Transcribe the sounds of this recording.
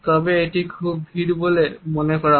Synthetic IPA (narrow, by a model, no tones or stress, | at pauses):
tabɛːtikʰubbʱiɹbolɛmɔnɛkɔɹa